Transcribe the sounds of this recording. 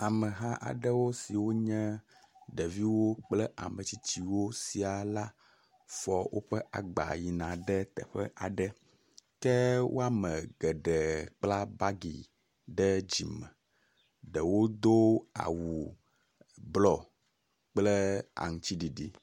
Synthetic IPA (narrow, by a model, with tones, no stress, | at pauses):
a˨mɛ˨ɦa˦ʔa̰˨ɖə˦wo˦si˨wo˦ɲɛ̃˦ | ɖɛ˨vi˦wo˦k͡plɛ˦ʔa̰˨mə˨t͡ɕi˦t͡ɕi˦wo˦si˨a˨la˦ | fɔ˦wʔo̰˦ɸɛ˦ʔa̰˨ɡ͡ba̰˨ji˨nã˨ɖɛ˦t̪ɛ̰˨ɸɛ̰˦ʔa˨ɖɛ˦ | kɛ˦wʔo̰˦a˦mɛ˨ɡɛ˨ɖɛ˨k͡pla˦ba˦ɡḭ˨ | ɖɛ˦d͡ʑi˨mɛ̰̃˨ | ɖɛ˨wo˦d̪o˦a̰˨wu˨ | blɔ˦˨ | k͡plɛ˦a̰˨ŋu˨t͡ɕi˦ɖi˨ɖi˦